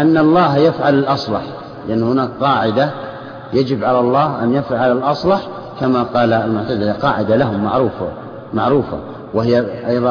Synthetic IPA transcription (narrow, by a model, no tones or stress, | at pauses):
ʔanːɑlˤːɑːhjafʕalalʔɑsˤlɑħ | lɪʔanːhʊnaːkqɑːʕɪd̪a | jad͡ʒɪbʕalalˤːɑːhʔa̰njafʕaʕalalʔɑsˤlɑħ | kamaqɑːlalmʊʕt̪ad̪aqɑːʕɪd̪alaɦʊmːa̰ʕɾuːfa | maʕɾuːfa̰ | wɪhɪjːaʔɑjðˤɑ